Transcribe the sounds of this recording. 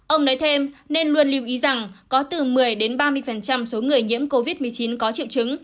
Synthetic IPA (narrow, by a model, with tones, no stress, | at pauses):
ʔə˧wŋ͡mnɔ˨˦jt̪ʰe˧mne˧nlu˧ənli˧əwʔi˨˦za˨˩ŋkɔ˨˦t̪ɨ˨˩mɨ˨˩əjɗe˨˦nɓaː˧mɨ˧əjfə˨˩nt͡ɕa˧mso˨˦ŋɨ˨˩əjŋḭ˧˥əmko˧vi˦˥t̚mɨ˨˩əjt͡ɕi˨˦nkɔ˨˦t͡ɕḭ˧˨wt͡ɕɨ˨˦ŋ